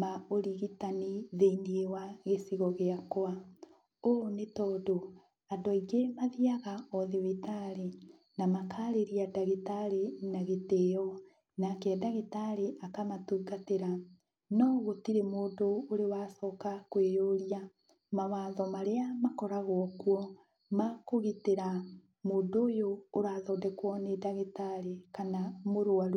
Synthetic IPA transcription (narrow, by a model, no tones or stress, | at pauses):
maoɾiɣitaniðeiniewaɣesiɣɔɣeakoa | oːnetɔːdo | adɔiɣemaðiaɣaɔðiwitaɾe | namakʰaːɾeɾiadaɣetaɾenaɣetejɔ | nakɛɛdaɣetaɾeʔakamatuːɡateɾa | nɔɣotiɾemoːdoːɾewasɔːkakwejoɾia | mawaːðɔmaɾeamakɔɾaɣwɔkwɔ | makoɣiteɾa | moːndoːjoːɾaːðɔdɛkwɔnedaɣetaɾekanamoɾoaɾ